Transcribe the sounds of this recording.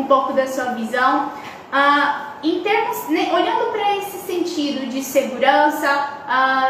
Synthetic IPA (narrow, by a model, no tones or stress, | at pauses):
ũpowkʊd̪ɐsuɐvizɐ̃w̃ | a | ẽj̃t̪eɾmʊzneʔoʎɐ̃nd̪ʊpɾɐesɪsẽnt͡ʃid̪ʊd͡ʒɪseɡuɾɐ̃sɐa